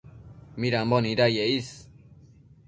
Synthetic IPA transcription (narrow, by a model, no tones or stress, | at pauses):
miɾambɔniɾajeis